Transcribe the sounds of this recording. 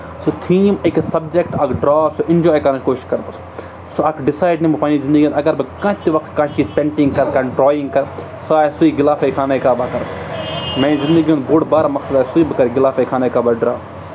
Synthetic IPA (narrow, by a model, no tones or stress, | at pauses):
sot̪ʰiːmɐksɐb̚d͡ʒekʈɐkʰɖɾaːsoʔɪnd͡ʒɔːjkɐɾɐ̃t͡ʃkoːʃi̥ʃkɐɾbɐs | soɐkʰɖɪsaːjɖnĩmbɐpanizɪnd̪əɡijoːnɐɡɐɾbɨkãːt̪iʋɐk̚t̪kãːt͡ʃiːzpʲẽɳʈĩŋɡkɐɾkɐ̃ɖɾɔːĩŋɡkɐɾ | saːjsuiɡɪlaːfejkʰaːnaikaːbaːkɐɾ | mẽːnizɪ̃nd̪əɡijoːnboːɽbaːɾamɐksɐd̪aːjsuibɨkɐɾɡɪlaːfejkʰaːnaːjkaːbaɖɾaː